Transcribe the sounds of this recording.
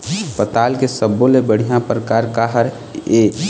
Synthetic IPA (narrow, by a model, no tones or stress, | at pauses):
pət̪aːlkesəbːolebəɽ̤ijãpəɾkaɾkaɦəɾ | e